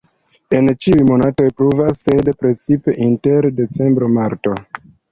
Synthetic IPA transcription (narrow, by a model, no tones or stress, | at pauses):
e̞nt͡ʃiujmo̞nato̞jpɾuvasːe̞dpɾe̞t͡sipe̞ʔinte̞ɾde̞t͡se̞mbɾo̞maɾto̞